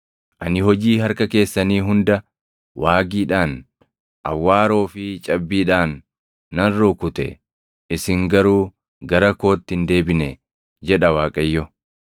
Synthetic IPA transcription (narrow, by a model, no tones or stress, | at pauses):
ʔɐnɪhɔd͡ʒiːhɐɾkɐke̞ːsːɐniːɦʊnd̪ɐ | waːɡiːᶑaːn | ʔɐ̰wːaːɾo̞ːfɪt͡ʃʼɐbːiːᶑaːnː | ɐrːoːkʊt̪ɛ̰ | ɪsɪŋɡɐɾuː | ɡɐɾɐko̞ːt̪ːɪnd̪e̞ːbɪnɛ | d͡ʒɛᶑɐwaːkʼɐjːɔ